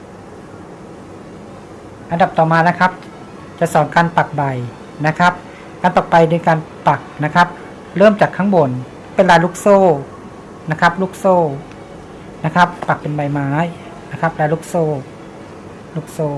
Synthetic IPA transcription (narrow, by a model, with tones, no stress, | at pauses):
ʔa˧nda˨˩p̚t̪ɔː˨˩maː˧na˦˧˥kʰa˦˥p̚ | t͡ɕa˨˩sɔː˨˦ŋkaː˧˨npa˨˩k̚ba˨˩j | na˦˥kʰa˦˥p̚ | kaː˨npa˨˩k̚ba˨˩jdɯː˧˦kaː˧n | pa˨˩k̚na˧˦˥kʰa˦˥p̚ | lɤː˥˩˨mt͡ɕaː˨˩kʰːa˧˥ŋbo˨˩˦n | pe˨nlaː˨˧˦luː˦˥k̚soː˧˥˩ | na˦˧˥kʰa˦˧˥p̚luː˦˥k̚soː˧˩ | na˦˧˥kʰa˦˥pːa˨˩k̚pe˨nba˨˩jmaː˨˦j | na˦˧˥kʰa˦˥p̚laː˧lu˧˦˥k̚soː˧˩˨ | lu˧˥k̚soː˧˩